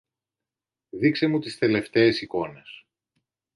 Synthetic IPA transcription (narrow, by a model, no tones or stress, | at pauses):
ðikse̞mut̪ist̪e̞le̞ft̪eːsiko̞ne̞s